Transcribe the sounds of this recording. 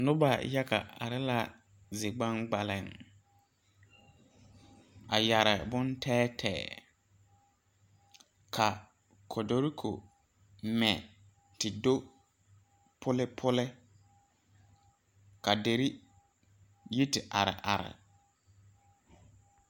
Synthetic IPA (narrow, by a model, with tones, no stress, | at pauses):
nʊ˦ba˨ja˦ka̰˨a̰˨ɾɪ˦la˦ | zɪ˨ɡ͡ba˦ŋɡ͡ba˨lɪ˨ŋ | a˨ja˨ɾɪ˨bʊ˦ntʰɛː˦tʰɛ̰ː˨ | kʰa˨ | kʰɔ˨do˦ɾi˦kʰo̰˨ | mɛ˨ | tɪ˨do˦ | pʰʊ˦lɪ˦pʰʊ˦lɪ˦ | ka˨de˨ɾi˦ | ji˦tɪ˨ʔa˨ɾɪ̰˨ʔa̰˨ɾɪ̰˨